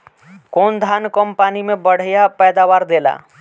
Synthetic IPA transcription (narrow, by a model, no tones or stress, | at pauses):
kond̪ʱankəmpanimebəɽ̤japɛjd̪awaɾd̪ela̰